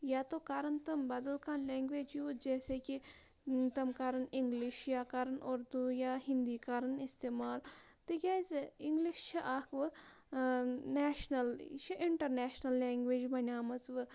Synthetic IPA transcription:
jaːt̪oːkaɾɐnt̪ɐmbɐd̪ɐlkaːnlʲeːŋɡʋeːd͡ʒjuːd͡ʒɛːseki | t̪ɐmkaɾɐnɪŋɡliʃjaːkaɾɐnoɾd̪ujaːɦind̪iːkaːɾɐnist̪eːmaːl | t̪ɨjʲaːzɪŋɡliʃt͡ʃʰiʔaːkʋɨ | neːʃnɐlt͡ʃʰiʔɪɳʈɐɾneːʃnɐlːeːŋɡʋeːd͡ʒbɐnʲaːmɐt͡sʋɨ

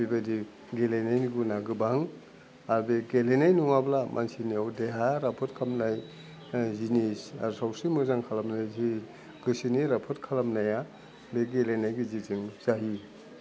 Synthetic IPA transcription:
bibadi | ɡelenajniɡunaɡɯbaŋ | aɾbeɡelenajnuŋablamʔa̰nsiniawdeɦaɾapʰɔtkʰamnaj | zinisa̰ɾsawsimɯzaŋkʰalamnajzi | ɡɯsiniɾapʰɔtkʰalamnaja | beɡelenajɡiziziŋz̥aɦi

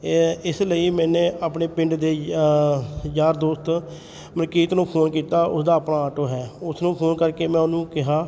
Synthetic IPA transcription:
ɪsləiːmɛ̃ːneːʔaːpɳeːpɪ̃ɳɖd̪eː | d͡ʒaːɾd̪oːst̪ | məɾkiːt̪nũːpʰoːnkiːt̪aːʔʊ̰sd̪aːəpnãːaːʈoːɦɛːʊsnũːpʰoːnkəɾkeːmɛ̃ːʊnũːkɪɦaː

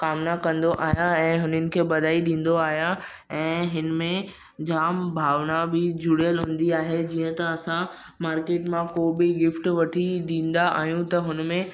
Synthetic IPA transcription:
kaːmnakɐ̃nd̪oʔaːɦijãɛ̃ːɦʊnənɪ̆kʰeːɓɐd̪ʱaːiɗĩːn̆d̪oaːɦjã | ɛ̃ːɦɪnmẽ | d͡ʑaːmbʱaːʋnabɪd͡ʑʱʊɽijəlɦʊ̃ːn̆d̪iaːɦed͡ʑiːə̃t̪ɐɐsã | maːɾkeːʈmãkoːbɪɡɪfʈʋɐʈʰid̪ĩːn̆d̪aʔa̰ːɦijũt̪ɐɦʊnmẽ

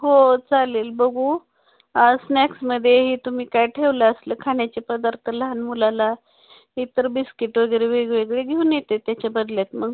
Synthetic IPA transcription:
ɦot͡saleːlbəɡʱu | asnɛksməd̪ʱːjeɦit̪umiːkajʈʰeʋləəsləːkʰaɳnjat͡ɕepəd̪aɾt̪ʰəlɦanmulala | ɦit̪əɾbiskiʈʋəɡəjɾeʋeɡʋeɡɭeɡʱeunjet̪et̪jat͡ɕabəd̪ljat̪məɡ

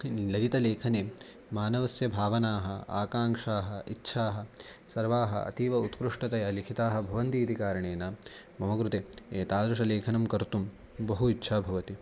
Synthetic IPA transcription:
lɐd͡ʒit̪ɐleːkʰɐneː | maːnɐʋɐsjɐbʱaːʋɐnaːɦɐaːkaːŋʂaːɦɐitːʃʰaːɦɐ̆sɐɾʋaːɦɐ̰ɐ̰t̪iːʋɐut̪kɾuʂʈɐt̪ɐjɐlikʰit̪aːɦɐ̆bʱɐʋɐnt̪iːd̪ʱikaːɾɐɳeːnɐ | mɐmɐkɾut̪eːeːt̪aːd̪ɾuʂɐleːkʰɐnɐmkɐɾt̪um | bɐɦuitːʃʰaːbʱɐʋɐt̪i

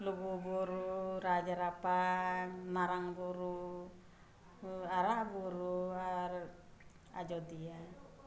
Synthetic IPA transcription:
lububuɾuɾad͡ʒaɾapa | naɾaŋbuɾu | aɾabuɾua | a̰d͡ʒɔd̪ia

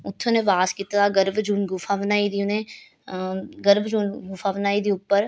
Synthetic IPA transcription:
ʊt̪ʰːõnẽʋaːskit̪taːɡəɾbd͡ʒuːnɡufʰaːʋənaːid̪iːʊnẽː | ɡəɾbd͡ʒuːnɡʊfaːʋnaːid̪iːʊpːəɾ

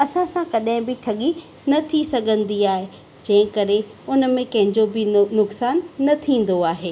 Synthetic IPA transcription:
ɐsãsãkɐɗɦɪ̃bɪʈʰɐɠi | nɐt̪ʰisɐɡʱə̃nd̪iaːɦe | d͡ʑɐ̃ɦɪ̃kɐɾeʊnmẽkɐ̃ɦɪ̃ɲd͡ʑobɪnʊksaːnːɐt̪ʰĩːn̆d̪oaːɦeː

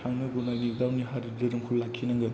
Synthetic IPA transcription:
aŋnɯɡunajniwd̪awniɦaɾidɯɾɯmkʰulːakʰːinɐŋɡɐd̪

